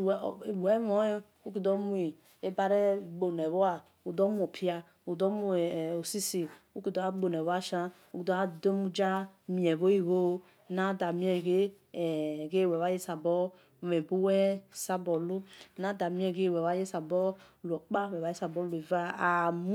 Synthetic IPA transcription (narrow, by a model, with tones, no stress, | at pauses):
wɛ˨˦mɔ˨˦ | u˦ki˨dɔ˦mu˦i˨ | e˦ba˦ɾe˦ɡ͡bo˨nɛ˨βo˦a˨ | u˨dɔ˦mu˦o˨pʰi˦a˧ | u˨dɔ˦mu˦˨o˨si˦si˨u˦ki˨dɔ˦a˦ɡ͡bo˨nɛ˨βa˦ʃa˦ | u˦ki˨dɔ˦a˦do˦mu˦d͡ʒa˦mi˨ɛ˨βo˦i˨βo˦ | na˦da˨mĩ˦ɛ˦˨ɡe˦˨ | ɡe˦˨wɛ˨wa˦je˦sa˨bɔ˦ | mɛ˨bu˦wɛ˦sa˦bɔ˨lu˦na˦da˨mĩ˦ɛ˦˨ɡe˦˨wɛ˨wa˦je˦sa˨bɔ˦ | lu˨ɔ˨k͡pa˦˨wɛ˨wa˨˦je˦sa˨bɔ˦le˨va˦˨m˦